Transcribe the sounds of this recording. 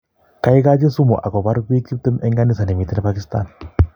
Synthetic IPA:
ka˦jka˦d͡ʒe˦su˦mo˨ʔa˨kɔ˨ba˦ɾbi˦ki˦p̚t̪u˦mɛ˦ŋɡa˦ni˦sa˨ne˨mi˨t̪i˦na˦pa˦ki˦st̪a̰˦˨n

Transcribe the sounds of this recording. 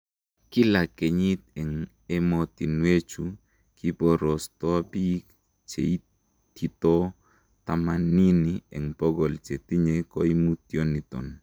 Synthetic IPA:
kɪ˦la˨ke˨ɲi˦t̪̚ɛ˨ŋ | ɛ˦mɔ˨t̪i˨nwe˦t͡ʃu˨ | ki˦pɔ˦ɾɔ˨st̪ɔ˦pi˦k | t͡ʃḛ˨i˦ | t̪i˨t̪ɔ˦ | t̪a˦ma˨ni˦niɛ˨ŋpɔ˦ɡɔ˨lt͡ʃe˨t̪i˦ɲe˨kɔ˦i˦mu˦t̪jo˦ni˨t̪ɔ̰˨n

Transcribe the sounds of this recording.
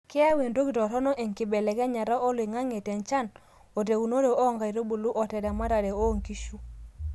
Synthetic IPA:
kɪ˦a˦we˨ndo˦ki˨tɔ˨ɾɔ˦nɔ˦ʔe˨ŋki˨bɛ˨lɛ˨ɡɛ˦ɲa˨ɾa˦ʔɔ˦lwi˨ŋa˦ŋe˨tɛ˨nt͡ʃa˦˨n | o˨te˨u˨no˦ɾe˨o˦˨ŋɡa˨i˨ɾo˦bu˨lu˦ʔɔ˨tɛ˨dma˦ɾa˨ɾe˨o˦˨ŋki˦ʃu˦

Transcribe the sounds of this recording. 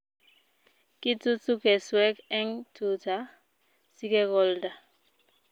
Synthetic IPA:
ki˦tu˦tu˦kɛ˨swɛ˦kɛ˦ŋtʰu˨ta˨˦ | si˦kɛ˦ɡɔ˦lda˨

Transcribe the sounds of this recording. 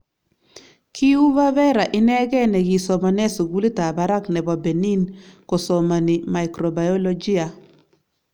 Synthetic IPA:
ki˦u˦βa˦βɛ˦ɾa˨ʔɪ˦nɛ˦ɡɛ˦nɛ˨ɡi˨sɔ˨ma˨nɛ˦su˨ɡu˦li˦ta˨ba˨ɾa˦knɛ˨bɔ˨bɛ˨ni˦nko˨sɔ˨ma˨ni˨ma˨jkɾɔ˨ba˨jɔ˦lɔ˦d͡ʒi˦a˨

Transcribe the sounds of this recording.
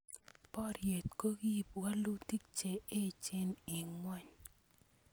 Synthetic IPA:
pɔ˦ɾje˨tko˦ɡi˦˨pwa˦lu˦ti˦k̚t͡ʃe˨e˦t͡ʃe˦ni˨ŋwa˦ɲ

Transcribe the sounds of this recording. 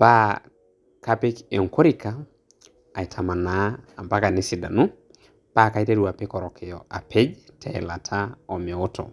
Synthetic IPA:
pa˦ | ka˦pe˦ke˨ŋ˨ko˦ɾi˦ka˨ | a˨i˨tʰa˨ma˨naː˨˦˨mpa˦ka˨ne˦si˨da̰˨nu˦ | pa˦˨ka˦i˦te˦ɾu˨a˨pe˦kɔ˨ɾɔ˨kʰɛ˨jɔ˨a˨pʰe˦d͡ʒtʰɛ˨ɛ˨la˨tʰa˦ɔ˨mɛ˨o˦tʰɔ̰˨

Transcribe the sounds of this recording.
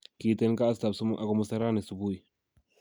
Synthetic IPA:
ki˨te˦n˦kaː˦sta˨bsu˦m˦ʔa˨kɔ˨mu˦sa˦ɾa˦ne˨su˨bu˦i˨

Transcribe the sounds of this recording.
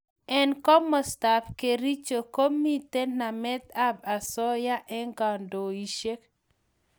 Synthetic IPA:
ɛ˦nkɔ˦mɔ˨sta˨fke˨ɾi˦t͡ʃo˨ko˦mi˦te˦na˨mɛ˦t̪a˦ba˨sɔ˦ja˦ʔɛ˦ŋɡa˨ndo˨i˨ʃe˦k

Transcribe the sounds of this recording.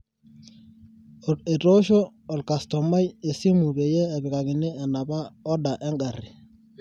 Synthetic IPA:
e˨to˦ʃɔː˦˨ | lka˨stɔ˨ma˦je˨si˦mu˨be˨jɛː˦˨bɪ˨ka˨kɪ˨nɛ˦ɛ˨na˨ba˦ɔ˦da˨ʔɛ˦ŋɡa˨ri˨

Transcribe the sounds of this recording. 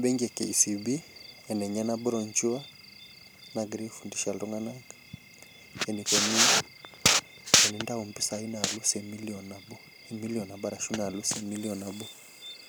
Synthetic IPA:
bɛ˦ŋɡɛ˨kɛ̰˨i˨si˨bi˦ɛ˨nɛ˨ɲa˦na˦bu˦ɾɔ˨ɲt͡ʃu˦a˦ | na˨ɡɾi˦fu˨ndi˨ʃa˨lɔ˦ŋa˦na˦ɡ | ɛ˨ni˨kɔ˨ni˦ | ɛ˨ni˨nda˦u˨mpi˦sa˨i˦na˨lu˦sɛ˨mi˦liɔ˨na˨bu˦ | ɛ˨mi˦liɔ˨na˨ba˦ɾa˨ʃu˦na˨lu˦sɛ˨mi˦li˦ɔ˨na˨bu˦

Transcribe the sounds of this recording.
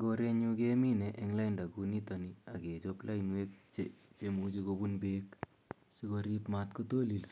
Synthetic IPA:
ɡo˧ɾe˦ɲu˦ke˦mi˦ne˨ʔeŋla˦jnda˨kuni˦tɔnia˨ke˨t͡ʃopla˦inwe˦k̚t͡ʃet͡ʃemut͡ʃi˧ko˧bunbek | si˦ko˧ɾi˦pmatko˦to˦li˨ls

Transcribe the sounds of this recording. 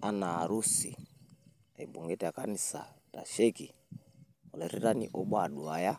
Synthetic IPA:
a˦naː˨ɾu˦sḭ˨ | a˨i˨bu˨ŋɡɛ˦ta˨ka˦ni˨sa̰˨ta̰˨ʃe˦ki˨ | ɔ˨lɛ˨ɾi˦ɾa˦nḭ˦ʔɔ˦ɓwa˦˨ɗu˨a˨ja˦

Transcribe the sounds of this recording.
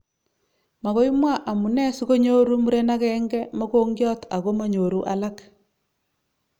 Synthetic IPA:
ma˨ɣo˦i˦mwa˦ʔa˨mu˨nɛ˦su˦ɣo˦ɲo˦ɾu˦mu˦ɾe˦na˦ɣɛ˦ŋɡɛ˦mo˦ko˦ŋɡjɔ˦ta˨ɣo˦ma˨ɲo˨ɾu˦ʔa̰˦la˦k

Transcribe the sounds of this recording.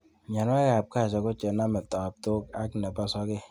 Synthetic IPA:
ɲa˨n˦a˦ɣa˨p̚ka˦˨s̬ɔ˨ko˦t͡ʃe˨˦na˦me˨p̚tɔ˨a˨p̚to˦ka˦kne˨pa˦sɔ˦ke˦

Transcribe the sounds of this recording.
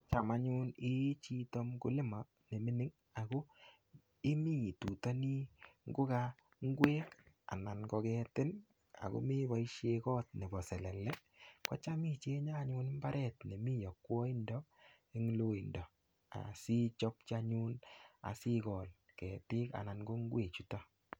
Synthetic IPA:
t͡ʃa˨ma˦ɲu˦ni˦t͡ʃi˦to˦mkʊ̰˦lɪ˦ma˨ | ne˨mɪ˦nɪ˦ŋ | a˨ko˦ | ɪ˦mi˦˨tu˨ta˦ni˦ŋɡʊ˦ka | ŋ˦ɡwe˦ | a̰˨na˨nkɔ˧kɛtɪ˦n | a̰˨ko̰˦mi˦ba˨˦iʃekɔ˦t̚nɛ˨bɔ˨sɛ˨lɛ˨lɛ˦ | kɔ̰˦t͡ʃa˦mi˦t͡ʃe˦ɲa˦ɲu˦n˦mba˦ɾʔɛ˦tne˨mi˦jɔ˨kːwɔ˦i˦ndɔ˦ | e˦ŋ˦lo˦i˨ndɔ˨ | a̰˨si˦t͡ʃɔ˦pt͡ʃa˦ɲu˦na̰˨si˦kɔ˨l | kɛ˨tɪ˦ka̰˨na˨nɡo˦ŋ˦ɡwe˨t͡ʃu˦tɔ˦

